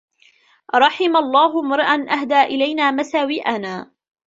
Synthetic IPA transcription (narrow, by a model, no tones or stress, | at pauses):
ɾˤɑħɪmalˤːɑːhʊmɑɾˤʔanʔahd̪aːʔɪlajnaːmasaːwɪʔanaː